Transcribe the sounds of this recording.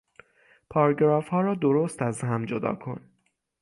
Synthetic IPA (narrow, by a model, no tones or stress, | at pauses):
pʰɒːɾɡɾɒːfhɒːɾɒːd̪oɾost̪æzɦæmd͡ʒod̪ɒ̰ːkʰo̞̰n